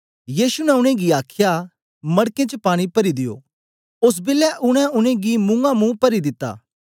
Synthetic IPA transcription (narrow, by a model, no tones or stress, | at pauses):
jiːsunɛʊɽ̃ẽɡiaːkʰɪja | mɐɽkẽt͡ʃəpaːɽ̃ipɐɾid̪ɪjo̰ː | ʊs̬bɪlːɛʔʊɽ̃ɛ̃ʊɽ̃ẽɡimʊ̃ŋɡamũːpɐɾid̪ɪt̪ːa̰ː